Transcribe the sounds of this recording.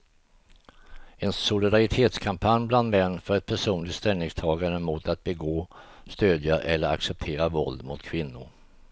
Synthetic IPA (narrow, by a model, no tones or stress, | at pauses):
ɛnsʊlɪd̪aɾɪt̪ʰeːt̪skʰampʰanjbland̪mɛnːfœɾɛt̪̚pʰæʂuːnlɪt̪st̪ɛlnɪŋst̪ʰɑːɡaɳəmʊt̪at̪̚bɛɡoːst̪øːd̪jaʔɛlːəɾa̰ksɛp̚t̪ʰeːɾavɔld̪mʊt̪kʰvɪnːʊɾ